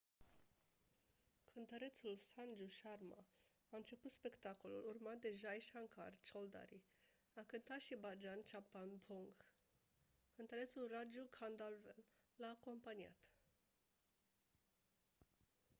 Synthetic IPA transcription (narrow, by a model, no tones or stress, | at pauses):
kʰɨnt̪əɾe̞t̪sulsand͡ʒuʃarma̰ | aɨnt͡ʃe̞put̪spe̞kt̪ako̞lṵlurmat̪̚d̪e̞ʒajʃaŋka̰rt͡ʃold̪a̰ɾi | akɨnt̪at̪ʃibad͡ʒant͡ʃapanpʰoŋɡ | kɨnt̪əɾet̪sulrad͡ʒukʰand̪alvelːaːko̞mpania̰t̪